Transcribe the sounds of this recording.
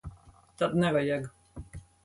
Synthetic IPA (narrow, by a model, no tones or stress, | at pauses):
t̪ad̪nɛvajɛɡ